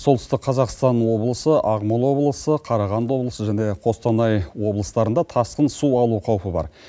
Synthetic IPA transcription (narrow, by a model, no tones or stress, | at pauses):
sot̪ʏst̪ɪkqqʰɑzɑqst̪ɑnwo̞blˠəsəʔɑʁmɑlˠwo̞blˠəsəqʰɑɾɑʁɑnd̪wo̞blˠəsəʒæne̞qʰo̞st̪ɑnɑjwo̞blˠəst̪ɑɾənd̪ɑt̪ʰɑsqənsuɑlˠuqʰɑwpəbɑ̰ɾ